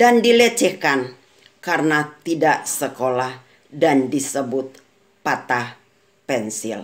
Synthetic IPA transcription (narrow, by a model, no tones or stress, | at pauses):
dandilət͡ʃɛhkan | kaɾənat̪idaʔsəkolah | dandisəbʊt̪̚ | pat̪ah | pɛnsɪ̰l